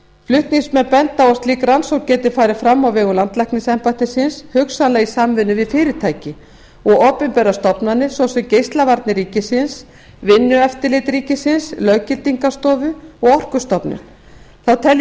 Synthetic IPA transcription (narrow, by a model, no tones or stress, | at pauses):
flʏht̪niŋsmɛnpɛnt̪awɔst̪liːkɾansɔwcɛːt̪ɪfaːjɾɪ̥fɾamːawvɛːɣʏlant̪lɛhkniŋsɛmpat̪ɪsɪnshʏksanlɛɣisaːmvɪnːʏvɪðfɪːɾɪ̥t̪ʰaːjcɪ | ɔɣɔːpɛmpɛːɾast̪ɔpnanːɪsvɔsɛmcejst̪lavaɾt̪nɪɾiːcɪsɪns | vɪnːʏɛft̪ɪlɪːt̪ɾiːcɪsɪnslœːɥcɪlt̪iŋkast̪ɔːðʏɔɣɔr̥kʏst̪ɔpnʏ̰ | θawt̪ʰɛl